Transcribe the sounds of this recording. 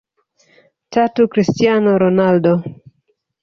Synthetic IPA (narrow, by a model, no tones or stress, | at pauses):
tatukɾistianoɾonaldo